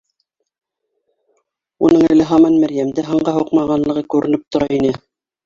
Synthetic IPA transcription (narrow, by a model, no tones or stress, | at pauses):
unɤŋælɘɦɑmɑnmæɾjæmd̪ɘɦɑɴɢɑɦuqmɑʁɑnlˠɤ̆ʁɤkʉɾɘ̆nɘp̚t̪ŏɾɑinɘ